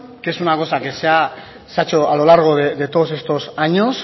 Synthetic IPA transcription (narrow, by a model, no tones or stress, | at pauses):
kesunakosakesea | sat͡ʃoalo̞laɾɣ̞o̞ðeðe̞t̪os̬e̞st̪o̞saɲos